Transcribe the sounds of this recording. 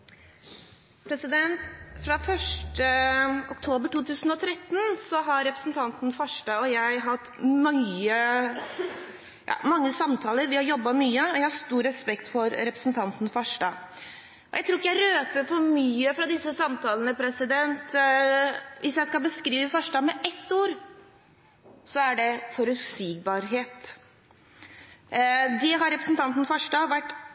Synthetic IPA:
pʰɾɛsɪd̪ɛnt̪fɾɑfœʂʈəɔkt̪ʰoːbəʈuːt̪ʰʉːsn̩ɔt̪ʰɾɛt̪ːn̩sɔɦɑɾɾɛpɾə̥sn̩t̪ʰɑnt̪n̩fɑʂɖɑːɔjæɪɦɑt̪ːmɑə | jʔɑ̰ːmɑŋːəsɑmt̪ʰɑːləɾʋɪhɑɾjɔbːɑmyːəɔjæɪhɑʂt̪uːɾɛspɛkt̪fɔɾɾɛpɾə̥sn̩t̪ʰɑnt̪n̩fɑʂɖɑ | ʔɔjæɪt̪ʰɾuːjæɪɾøːpəɾfɔɾmyːəfɾɑd̪ɪsːəsɑmt̪ʰɑːlənəpʰɾɛsɪd̪ɛnt̪ | ʋʔɪsjæɪskɑbəskɾiːʋəfɑʂɖɑːmɛʔɛt̪ːuːɾ | sɔæɖɛfɔɾʉt̪siːɡ̚bɑɾɦeːt̪ | d̪ɛɦɑɾɛpɾəsn̩t̪ʰɑnt̪n̩fɑʂɖɑːʋæʈː

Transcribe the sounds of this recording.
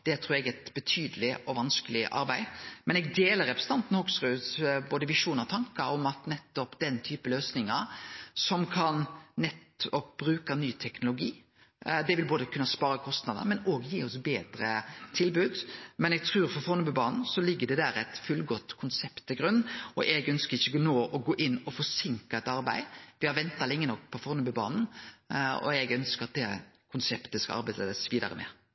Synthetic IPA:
d̪̥ɛt̪ʰɾʉːɾɛɡɛt̪bət̪ʰyːd̪əlɪʔɔʋɑnskəlɪʔɑ̰ɾbæɪmɛnɛɡd̪eːləɾʁɛpɾəsəɑnt̪n̩hʊːɡsɾʉːsboːd̪əʋɪʂuːnɑt̪ʰɑŋkəɾɔmɑt̪nɛt̪ːɔpd̪̥ɛnt̪ʰyːpəløːsnɪŋəɾsɔmkʰɑnnɛt̪ɔpb̥ɾʉːkɑnyːt̪ʰɛknʊlʊɡiː | d̪ɛʋɪlboːd̪əkʰʉnːəspɑːɾəkʰɔst̪nɑd̪ə̰ɾmɛnoːɡjiːɔsbeːd̪ɾət̪ʰɪlbʉːd̪mɛnɛɡ̚t̪ʰɾʉːɾfɔɾfɔɾnʉbʉbɑːnn̩sɔlɪɡːəd̪ɛd̪æːɾæt̪fʉlɡɔt̪ːkʰʊnsɛpt̪ʰːɪɡɾʉnːɔ̰ʔɛɡœnskəɾɪçːəɔnoːʔɔɡoːʔɪnːɔfɔsɪŋkɑɛt̪ɑɾbæ̰ɪʋɪhɑɾʋɛnt̪ɑlɪŋːənɔk̚ːpʰɔfɔɾnʉbʉbɑ̰ːnn̩ | ɔ̰ɛɡœnskəɾɑt̪̚d̪ɛ | kʰʊnsɛpt̪əskɑ̰ɑ̰ɾbæɪd̪esʋiːd̪ɑ̰ɾə̰mɛ̰

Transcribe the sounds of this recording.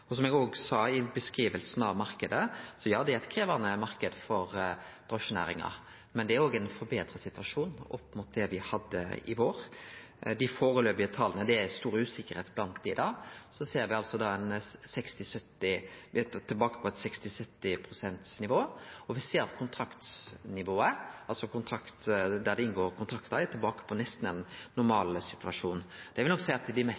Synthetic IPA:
ɔsɔmɛɡoːɡsɑːɪbəskʁiːʋəlsn̩ɑ̰ʋmɑɾkəd̪əsɔjɑːd̪ɛæɾɛt̪kʰɾeːʋɑnəmɑɾkəd̪fɔɾd̪̥ɾoːʃnæ̰ːɾɪ̰ŋɑ̰ | mɛnd̪ɛæɾoːɡænfɔɾbeːd̪ɾəsɪt̪ʋɑʂuːnɔpːmʊt̪̚d̪ɛʋɪhɑd̪ːə̰ɪ̰ʋoːɾ | d̪ɪfoːɾəløːpɪət̪ʰɑlənəd̪ɛæst̪uːɾʉːsɪkːəɾheːt̪blɑnt̪̚d̪ɪd̪ɑːsɔseːɾʋɪɑlsɔd̪ɑːɛnsɛkst̪ɪsœt̪ːɪ | t̪ʰːɪlbɑːkə̥pʰɔɛt̪sɛkst̪ɪsœt̪ːɪpʰɾʊsɛnt̪snɪʋoːɔʋɪseːɾɑt̪kʰʊnt̪ʰɾɑkt̪snɪʋoːəɑlsɔkʊnt̪ʰɾɑkt̪d̪æd̪ɛɪnɡoːɾkʰʊnt̪ʰɾɑkt̪əɾɛt̪ʰɪlbɑːkə̥pʰɔnɛst̪n̩ɛnːʊɾmɑːlsɪt̪ʋɑʂuːnd̪̥ɛʋɪlnɔksɛɪɑt̪d̪ɪmɛs

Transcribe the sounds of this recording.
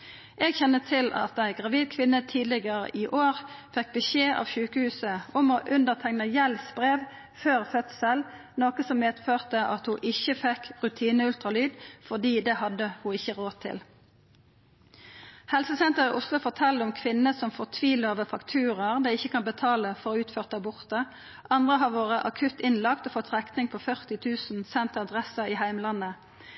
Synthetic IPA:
ʔeːɡçɛnːət̪ʰɪlɑ̰t̪̚d̪æɪɡʁɑʋiːd̪̚kʰʋɪnːət̪ʰiːd̪lɪɡəʁə̰ʔɪʔoːʁfɛk̚bəʃeːʔɑ̰ʋçʉːkəhʉːsəʊmoːʔʉnd̪əʁt̪ʰɛŋnəjɛlsbʁeːʋ | føːʁfœt̪səl | noːkəsɔmmeːd̪føːʁt̪əʔɑt̪hʊʔɪçːəfɛkʁʉt̪ʰiːnəʉlt̪ʁɑlyːd̪fɔd̪iːd̪ɛhɑd̪əhʊɪçəʁoːt̪ʰɪ̰l | hɛlsəsɛnt̪əʁɪʔʊslʊfɔʁt̪ʰɛld̪ʊmkʰʋɪnəsɔmfɔʁt̪ʰʋiːloːʋəfɑkt̪ʰʉːʁəʁd̪æɪçːəkʰɑnbət̪ʰɑːləfɔʁʉːt̪føːʁt̪̚d̪æʁbʊʁt̪ə | ʔɑnd̪ʁəɦɑʁʋoːʁəʔɑkʰʉt̪ɪnlɑkt̪ɔfɔt̪ːʁɛknɪŋpʰɔfœʁt̪ɪt̪ʰʉːsn̩sɛnt̪ɑd̪ʁɛsəʁiːhæɪmlɑnə

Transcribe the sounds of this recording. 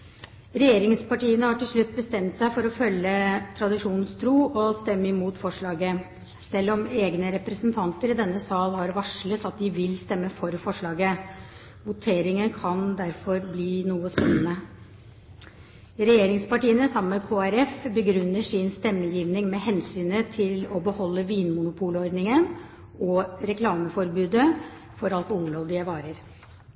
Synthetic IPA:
ɾɛjeːɾɪŋspɑʈiːənəhɑʈɪlʂɭʉt̪̚ːbəst̪ɛmt̪sæɪfɔɾɔfœlːət̪ʰɾɑd̪ɪʂuːnn̩st̪ʰɾuːʔɔst̪ɛmːəɪmuːt̪fɔʂɭɑːɡə | sɛlːɔmeːɡnəɾɛpɾəsənt̪ʰɑnt̪əɾɪd̪ɛnːəsɑːlhɑɾʋɑʂlət̪ɑt̪̚d̪ɪʋɪlst̪ɛmːəfɔɾfɔʂɭɑːɡə | ʋʊt̪ʰeːɾɪŋənkʰɑnd̪æɾfɔɾbliːnuːəspɛnːənə | ɾɛjeːɾɪŋspɑʈiːənəsɑmːəkʰoːæɾɛfbəɡɾʉnːəʂɪnst̪ɛmːəjiːʋnɪŋmɛhɛnsyːnət̪ʰɪlɔbəhɔlːəʋiːnmʊnʊpʰuːləɔɾd̪nɪŋən | ɔɾɛkʰlɑːməfɔɾbʉːd̪ə | fɔɾɑlt̪ʊŋɾɔld̪ɪæʋɑːɾəɾ

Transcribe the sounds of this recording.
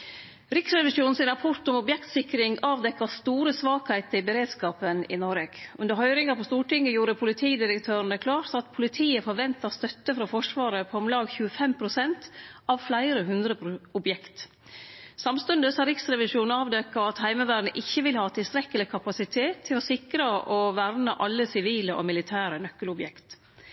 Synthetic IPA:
ɾɪksɾɛʋɪʂuːnn̩sɪnɾɑpʰɔɾʈ̪ɔmʊbjɛkt̪sɪkɾɪŋɑːʋd̪ɛkːɑst̪uːɾəsʋɑːkhæɪt̪əɪbəɾeːd̪skɑːpənɪ̰nɔɾeɡ̥ʉnd̪əɾɦœʏɾɪŋɑpʰɔst̪uːʈɪŋːəjuːɾəpʰʊlɪt̪ʰiːd̪ɪɾəkt̪ʰøːɾɳ̩d̪əkʰlɑːɾt̪ɑt̪pʰʊlɪt̪ʰiːəfɔɾʋɛnt̪ɑst̪œt̪ːəfɾɑfɔʂʋɑːɾəpʰɔɔmlɑːɡçʉːəfɛmpʰɾʊsɛnt̪ɑʋflæɪɾəɦʉnd̪ɾəʊbjɛkt̪ | sɑmst̪ʉnd̪əsɑɾɪksɾɛʋɪʂuːnɑːʋd̪ɛkːɑɑt̪hæɪməʋæːɖn̩əʔɪçːəʋɪlhɑːt̪ʰɪlst̪ɾɛkːəlɪkʰɑpɑsɪt̪ʰeːt̪ʰːɪlɔsɪkɾəʔɔʋæɾnəʔɑlːəsɪʋiːləʔɔ̰mɪlɪt̪ʰæːɾənœkːəlʊbjɛkt̪

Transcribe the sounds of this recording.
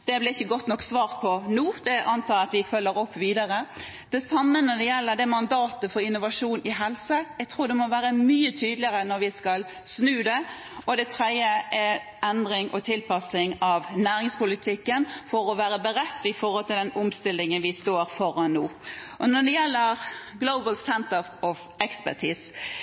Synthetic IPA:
d̪̥ɛblɪɾɪçːəɡɔt̪ːnɔkːsʋɑːʁt̪̚pʰɔnuːd̪̥ɛʔɑnt̪ʰɑːɾɑt̪ʋɪfœlːəɾɔpːʋiːd̪ɑɾə | d̪̥ɛsɑmːənɔd̪ɛjɛlːəd̪ɛmɑnd̪ɑːt̪əfɔɾɪnːʊʋɑʂuːnɪɦɛlsəjɛɡt̪ʰɾuːɾd̪ɛmɔʋæːɾəmyːət̪ʰyːd̪lɪəʁənɔɾʋɪskɑl | snʉːd̪ɛ | ɔd̪ɛt̪ʰɾɛd̪jəʔɛ | ɛnd̪ɾɪŋʔɔt̪ʰɪlpʰɑsɪŋɑʋnæːɾɪŋspʊlɪt̪ʰɪkːənfɔɾɔʋæːɾəbəɾɛt̪ːɪfɔɾhɔlt̪ɪld̪ɛnʊmst̪ɪlːɪŋənʋɪst̪oːɾfɔɾɑnnuːʔɔnɔd̪ɛjɛlːəɾɡloʊbəlsɛnt̪ə | ɔf | ɛkspæʈʰiːs

